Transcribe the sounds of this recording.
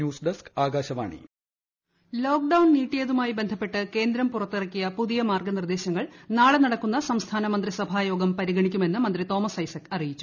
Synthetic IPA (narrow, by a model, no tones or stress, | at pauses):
juːsɖɐskaːɡaːɕɐʋa̰ːɳḭ | lo̞ːk̚ɖɐwɳniːʈːijɐðumaːjibe̞nd̪ʱɐpːe̞ʈːɨke̞ːnd̪ɾɐmpurɐt̪ːirɐkːijɐpuðijɐmaːrɡɐnird̪e̞ːɕɐŋːɐɭnaːɭenɐɽɐkːunːɐsɐmst̪ʰaːnɐmɐnd̪risɐbʱaːjo̞ːɡɐmpɐɾiɡɐɳikʲːume̞nːɨmɐnd̪rit̪o̞ːmɐsɐjsɐkːɐrijit͡ɕːu̥